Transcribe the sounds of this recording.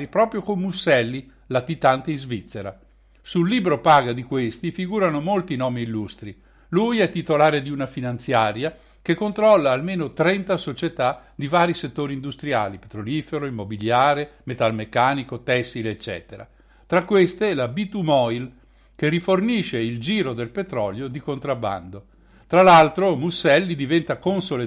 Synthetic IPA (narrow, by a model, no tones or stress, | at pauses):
ipɾɔːpɾjokomːusːɛlːi | lat̪it̪ant̪eizvit̪sːeɾa̰ | sulːiːbɾopaːɡad̪ikwest̪ifiɡuːɾanomolt̪inɔːmiːlːust̪ɾi | lujɛt̪ːit̪olaːɾed̪iunafinant̪sjaːɾja | kekːont̪ɾɔlːaːlmeːnot̪ɾɛnt̪asot͡ʃet̪ad̪ivaːɾiset̪ːoːɾiːnd̪ust̪ɾija̰ːlipet̪ɾolifeɾoimːobiljaːɾemet̪almekːaːnikot̪ɛsːileet͡ʃːɛ̰ːt̪eɾa̰ | t̪ɾakːwest̪elabit̪umɔjl | keriforniʃeild͡ʒiːɾod̪elpet̪ɾɔ̰ljod̪ikont̪ɾabːa̰nd̪o | t̪ɾalalt̪ɾomusːɛlːid̪ivɛnt̪akonsole